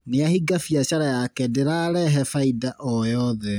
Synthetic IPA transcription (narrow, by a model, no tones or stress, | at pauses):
neahiɡafijaɕaɾajakɛdeɾaɾɛɦɛfaidaʔɔjɔðɛ